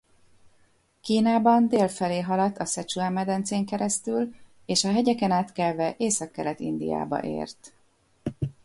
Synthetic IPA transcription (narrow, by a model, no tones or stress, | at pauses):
kiːnaːbɒnd̪eːlfɛleːɦɒlɒt̪ʰːɒsɛt͡ʃuamːɛd̪ɛnt̪seːŋkɛɾɛst̪yl | eːʃɒɦɛɟɛkɛnaːt̪kɛlvɛʔeːsɒkːɛɾɛt̪ḭnd̪ḭja̰ːbɒ̰ʔḛːrt̪